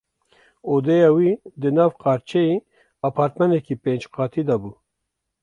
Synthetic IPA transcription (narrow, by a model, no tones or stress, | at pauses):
od̪ejawid̪ənawqaːɾt͡ʃʰei | apʰɑɾt̪manekipend͡ʒqɑːt̪ʰid̪abu